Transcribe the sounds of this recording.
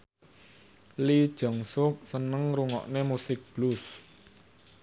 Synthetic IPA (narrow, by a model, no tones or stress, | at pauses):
lid̥ʒ̥ɔ̤ŋsʊk̚sənəŋruŋɔ̰ʔnemusɪk̚b̥lus